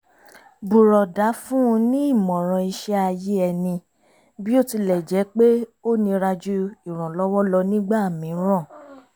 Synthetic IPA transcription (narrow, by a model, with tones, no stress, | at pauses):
bu˨ɾɔ˨da˨˦fũ˦ũ˧nĩ˦i˦˨mɔ̃˨ɾ̃ɔ̃˧i˧ʃɛ˦a˧je˦ɛ˧nĩ˧ | bi˦o˦˨ti˧lɛ˨d͡ʒɛ˨˦k͡pe˦o˦nĩ˧ɾa˧d͡ʒu˦i˦˨ɾ̃ɔ̃˨lɔ˦wɔ˦lɔ˧nĩ˦ɡ͡ba˦˨mĩ˨˦ɾ̃ɔ̃˦˨